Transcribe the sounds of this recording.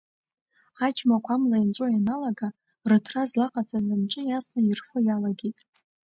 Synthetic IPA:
ad͡ʒmakʷʰamlaint͡sʷʼojanalaɡa | rɨtʰrazlaqʼat͡sʼazamʈ͡ʂʼɨjasnairfojalaɡʲejtʼ

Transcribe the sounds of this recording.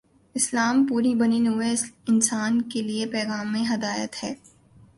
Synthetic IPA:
ɪslaːmpuːɾibɐninueɪnsaːnkeliepɛːɣaːmːẽɦɐd̪aːjət̪hɛː

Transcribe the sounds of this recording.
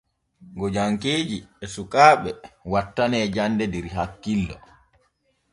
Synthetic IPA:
ɡɔd͡ʒaŋkeːd͡ʒiɛsukaːɓɛwatːanɛːd͡ʒanːdɛdɛɾiɦakːilːɔ̰

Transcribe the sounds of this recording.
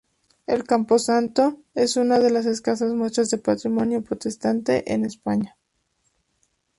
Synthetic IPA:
e̞̰lkampo̞sant̪o̞ | e̞sunað̞e̞las̬e̞skasazmwe̞st̪ɾazðe̞pat̪ɾimo̞njo̞pɾo̞t̪e̞st̪ant̪e̞̰ʔenespaɲa

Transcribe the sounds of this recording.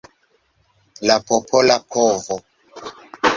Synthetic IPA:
lapʰɔpʰɔlapʰɔːvɔ

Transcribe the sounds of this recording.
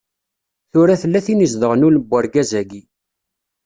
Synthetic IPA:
θʊɾæθəlːæθinizðəʁnuləbːæɾɡæzæɡi

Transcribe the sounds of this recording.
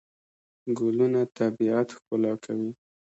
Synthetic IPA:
ɡʊlunat̪abiat̪xpəlɑkʰawi

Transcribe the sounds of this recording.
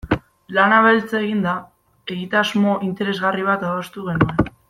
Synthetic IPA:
lanaβelt͡saeɣind̪a | e̞ɣit̪azmo̞ʔint̪e̞ɾe̞zɣariβ̞at̪aðost̪uɣ̞e̞nue̞n

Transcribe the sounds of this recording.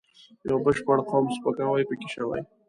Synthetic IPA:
jobəʃpaɽqʰɔmspəkawajpəkʲɪʃawa̰j

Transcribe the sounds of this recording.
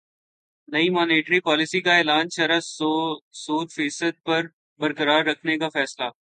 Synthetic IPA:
nɐimaːneːʈɾipɔːlɪsikaeːlaːnʃɐɾə | soːd̪fiːsəd̪̚pɐɾ | bɐɾkəɾaːɾːɐkʰnekafɛːslaː

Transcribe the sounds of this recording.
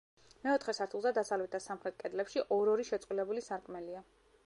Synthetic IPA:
mɛɔt̪ʰχɛsaɾt̪ʰulˠzad̪asavlvɛt̪ʰasamχɾɛt̪̚kʼɛd̪lɛpʃiʔɔɾɔɾiʃɛt̪sʼwilɛbulisaɾkʼmɛlia

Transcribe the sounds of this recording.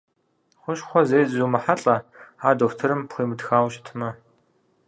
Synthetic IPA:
χʷʊɕχʷɔzeːjzuːmɐħaɬʼɐaːdoxʷtʰɨɾɨmpχʷiːmɨdxaːwɕʼtʰɨmɐ

